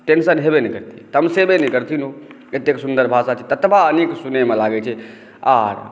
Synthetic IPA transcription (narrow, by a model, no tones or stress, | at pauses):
ʈensənɦebenɛkəɾt̪ʰit̪əmsebenɛkəɾt̪ʰino | et̪ːeksund̪əɾbʱasat͡ʃʰɛt̪ət̪baniksunemelaɡɛt͡ʃʰɛ | aɾ